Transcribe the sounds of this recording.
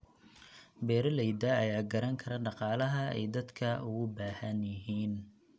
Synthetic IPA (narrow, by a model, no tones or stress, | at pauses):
bɛːɾɐlɛjd̪ɐɐjaːɡɐɾɐŋkʰɐɾɐɖɑqɑːlɐɦɐɛ̰jd̪ɐd̪kʰɐʊɣʊbaːhɐnjɐɦiːn